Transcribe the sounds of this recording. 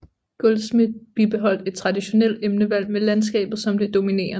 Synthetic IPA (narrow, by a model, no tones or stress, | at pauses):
ɡ̥olsmid̥ˠb̥ib̥e̝ɦɒ̽l̰d̥e̝d̥̚t͡sʰʁɑ̈diɕo̝nel̰d̥emnəʋæl̰melæns̬ɡ̥ɛ̰ːb̥ð̩ˠsɒ̽md̥e̝d̥o̝mine̝̰ːɐ